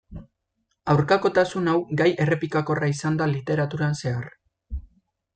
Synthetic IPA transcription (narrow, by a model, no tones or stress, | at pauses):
awɾkako̞t̪asunawɡaje̞re̞pikako̞raisand̪alit̪e̞ɾat̪uɾanse̞ar